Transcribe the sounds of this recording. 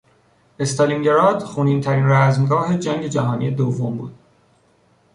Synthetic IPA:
e̞st̪ʰɒliŋɟe̞ɾɒːd̪̥xuniːnt̪ʰæɾiːnræzmɡɒːhe̞d͡ʒæŋɟe̞d͡ʒæɦɒːnḭːe̞d̪ovːombuːd̪̥̚

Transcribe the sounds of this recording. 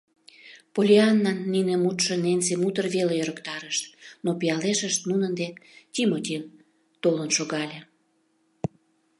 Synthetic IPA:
polʲiɑnːɑnːinemut̪ʃə̆nensemut̪ərβelejøɾəkt̪ɑɾəʃt̪nopijɑleʃəʃt̪nunənd̪et̪ʲimot̪ʲin | t̪olənʃoɣɑlʲe

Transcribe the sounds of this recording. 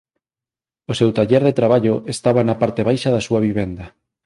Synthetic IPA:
osɛwt̪aʎɛɾðet̪ɾaβ̞aʎoʔest̪aβanɐpaɾt̪eβ̞ajʃaðasuɐβiβɛnd̪ɐ

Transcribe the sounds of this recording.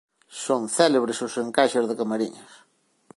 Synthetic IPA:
sonθɛleβɾɪsʊseŋkaʃezðɪkamaɾḭɲɐs

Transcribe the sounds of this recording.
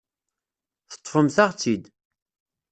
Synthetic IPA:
θə̥t̪ˤːfəmθaʁt͡sːid̪

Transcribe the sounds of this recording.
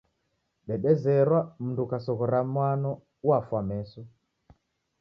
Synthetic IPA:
ɗɛɗɛzɛɾwam̩ndukasɔɣɔɾamwanɔ | wafwamɛsɔ

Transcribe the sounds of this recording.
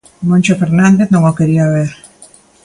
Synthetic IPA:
monʲt͡ʃofeɾnand̪eθnoŋokeɾiaːβeɾ

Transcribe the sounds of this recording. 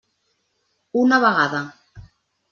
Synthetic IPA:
unaβaɣaða

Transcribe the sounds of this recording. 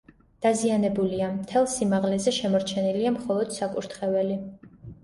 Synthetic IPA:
d̪̥azianɛbuliamt̪ʰɛlˠsimaʁlɛzɛʃɛmɔɾt͡ʃʰɛniliamχɔlˠɔd̪̥sakʼuɾt̪ʰχɛvɛli

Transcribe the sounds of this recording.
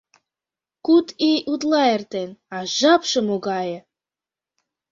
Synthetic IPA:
kut̪ʰijut̪̬lˠɑert̪enɑʒɑpʃɤ̆moɡɑjɤ̆

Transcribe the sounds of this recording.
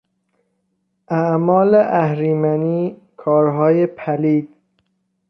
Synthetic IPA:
ʔæʔmɒːleʔæhɾiːmæniː | kʰɒːɾɦɒːjepʰæliːd̪̥̚

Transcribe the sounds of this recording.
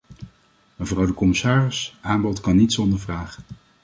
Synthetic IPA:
məvrɑwdəkɔmɪsaːrɪsʔaːmbɔtkɑnːitsɔndəɹvraːχ

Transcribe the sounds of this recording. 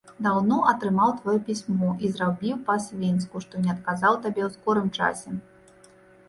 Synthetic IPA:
d̪awnɔʔɐt̪ɾɨmawt̪vajɛpʲisʲmɔʔizrabʲiwpɐsʲvʲins̬kuʂt̪ɔnʲɛɐt̪kazawt̪abʲɛwskɔɾɨmt͡ʂa̰sʲɛ

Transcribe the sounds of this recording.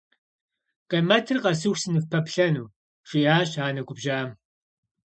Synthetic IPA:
qɐmɐtʰɨrqɐsɨxsɨnɨfpʰɐpɬɐnuː | ʂʼijaːɕaːnɐɡʷʊbʒaːm

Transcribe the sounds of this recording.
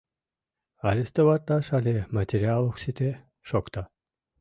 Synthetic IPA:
aɾʲest̪əvat̪ːaʃalʲemat̪ʲeɾialˠoksit̪e | ʃokt̪a

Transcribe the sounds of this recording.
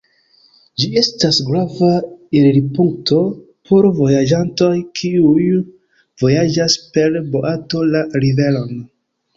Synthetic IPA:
d͡ʒie̞stasɡɾavaiɾɾipuŋk̚tʰo̞ | pʰo̞ɾvo̞jad͡ʒanto̞jkʰiuj | v̥o̞jad͡ʒaspe̞ɾbo̞ʔato̞laɾive̞lo̞n

